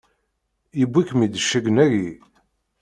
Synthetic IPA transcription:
ibːikmid̪əʃːæɡənæɡi

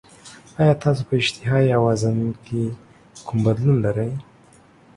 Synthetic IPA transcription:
ɑjɑːt̪ɑːsopəɪd͡ʒt̪ʰɪɦɑjawɑzanke | kʰʊmbɐd̪lunlaɾəj

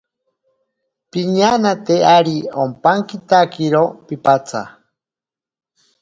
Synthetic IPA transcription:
piɲanat̪eaɾiompaŋkit̪akiɾopipat͡sʰa̰

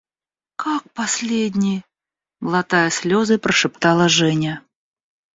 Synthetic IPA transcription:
kak̚pasʲlʲedʲnʲɪj | məlˠat̪ajəsʲlʲozɨpɾəʂɨpt̪alˠəʐɛnʲə

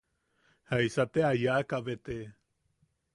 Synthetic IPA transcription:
haisat̪eajakaʋet̪e

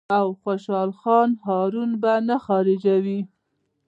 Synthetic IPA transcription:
awxoʃɑlxɑnɦɑɾunbanaxɑɾɪd͡ʒawi

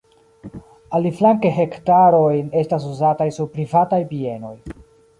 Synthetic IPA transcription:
aliflaŋkeɦe̞ktaɾo̞jne̞stas̬uzatajsuɾpɾivatajpie̞no̞j

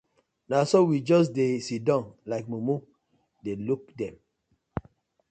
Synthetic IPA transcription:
nasowid͡ʒɔs̬desidãʊ̃nlaɪk̚mumu | delukdɛ̃m

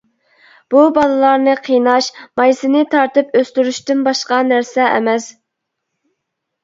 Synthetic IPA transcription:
b̥ubɑlˠɨlˠɑɾnɨqʰinɑʃmɑjsɨnɨt̪ʰɑɾt̪ɨpøst̪yɾyʃt̪ynbɑʃqɑnæɾsɛʔɛ̰mɛs

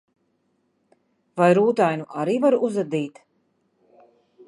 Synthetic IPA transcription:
vajɾuːt̪ajnuʔaɾiːvaɾuzad̪iːt̪

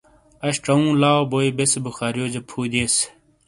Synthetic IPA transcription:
ɐɕʈɐũːlaːoboːibesbuxaːɾjoːd͡ʑepʰuːd̪es

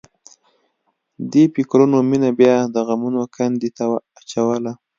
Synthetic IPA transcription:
d̪epikɾunominabjɑd̪əɣamunokand̪it̪aː | t͡ʃawəla

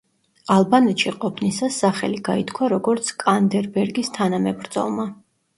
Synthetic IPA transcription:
alˠbanɛt̪ʃiqʼɔpʰnisasːaχɛliɡait̪kʰwaɾɔɡɔɾt̪sʰkʼand̪ɛɾbɛɾɡist̪ʰanamɛbɾd̪z̥ɔ̰lˠma

